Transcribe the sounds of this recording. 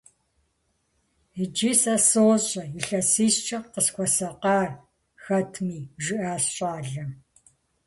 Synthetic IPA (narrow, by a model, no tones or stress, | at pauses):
id͡ʒiːsɐsoːɕʼɐɪɬɐsiːɕt͡ʃʰɐqəskʷɔsɐqɑːr | xɐtʰmiːʒɪʔaːsɕʼaːɮɐ